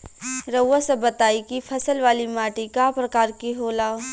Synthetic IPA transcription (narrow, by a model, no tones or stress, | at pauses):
ɾɐwːasebɐt̪aːikipʰɐsəlʋaːlimaːʈikapɾɐkaːɾkiɦoːlaː